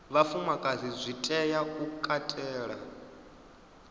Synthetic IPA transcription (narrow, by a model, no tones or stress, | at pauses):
βafumakʼazizʷitʼɛjaukʼatʼɛːɺa